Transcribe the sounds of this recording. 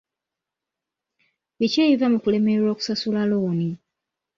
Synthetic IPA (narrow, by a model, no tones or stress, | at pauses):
βiceːivamukule̞meɾoːku̥sasulaloːni